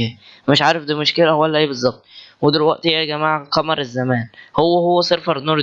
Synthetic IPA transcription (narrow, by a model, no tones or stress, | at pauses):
æmeʃʕaːɾefd̪iːmoʃkelæwælːæʔeːbezˤːɑb̚t̪̚ˤwed̪elwæʔt̪jæːɡæmaːʕqɑmɑɾˤezːæmæːnhowːæhowːæsˤeɾfɑɾnːuːɾ